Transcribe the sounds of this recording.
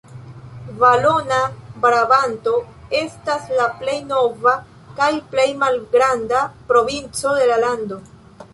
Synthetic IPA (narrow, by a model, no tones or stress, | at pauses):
valonabɾabanto̞ | e̞staslaple̞jno̞va | kajple̞jmalɡɾandapɾo̞vint͡so̞de̞lalando̞